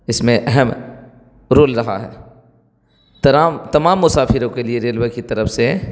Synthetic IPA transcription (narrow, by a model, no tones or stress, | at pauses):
ɪsmẽʔɛɦɛm | ɾoːlɾɐɦa̰ɦɛ̰ː | t̪ɐɾaːmt̪ɐmaːmːʊsaːfɪɾõkelieɾeːlʋekit̪ɐɾəfse